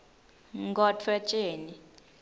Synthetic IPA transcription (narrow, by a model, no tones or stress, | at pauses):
ŋɡɔtʰwɛt͡ʃʼeːni